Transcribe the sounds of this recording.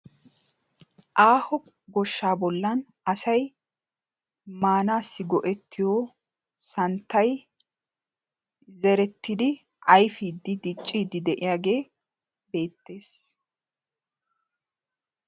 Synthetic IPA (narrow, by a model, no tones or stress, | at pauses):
ʔaːhɔ | ɡɔʃːaːbɔlːɐn | ɐsɐj | maːnaːsːɪɡɔʔɛt̪ːɪjoː | sɐnt̪ːɐj | zɛɾɛt̪ːɪd̪ɪ | ʔɐjfiːd̪ːɪd̪ɪt͡ʃʼːiːd̪ːɪd̪ɛʔɪjaːɡe̞ː | be̞ːt̪ːe̞ːs